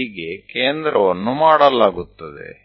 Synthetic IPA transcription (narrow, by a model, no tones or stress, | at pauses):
iɡe̞keːnd̪ɾɐʋɐnːumaːɽɐlaːɡut̪ːɐd̪ḛ